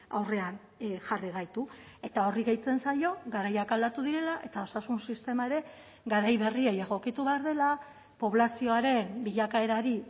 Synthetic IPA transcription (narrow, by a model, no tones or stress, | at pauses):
a̰wre̞an | ʝariɣ̞ajt̪ue̞t̪ao̞riɣejt͡se̞nsajo̞ɣaɾajakald̪at̪uðiɾe̞laʔe̞t̪ao̞sasunsist̪e̞maeɾe̞ | ɡaɾajβe̞riejeɣo̞kit̪uβe̞aɾðe̞la | po̞βlasio̞aɾe̞mbiʎakae̞ɾaɾi